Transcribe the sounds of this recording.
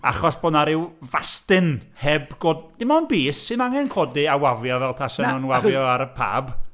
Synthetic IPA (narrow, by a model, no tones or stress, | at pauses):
a̰χɔsb̥oːdnaɾɪwvastɨnhɛbɡ̥oːdd̥ɪmɔnbiːsːɨnaŋɛnkʰoːdɨawavjɔvɛlˠtʰasənɔnwavjɔaɾəpʰa̰ːb